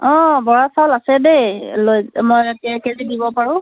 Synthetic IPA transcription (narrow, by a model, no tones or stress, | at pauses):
ɔ̃bɔɹasalasɛbelojmojetijakezidibɔpaɹʊ̃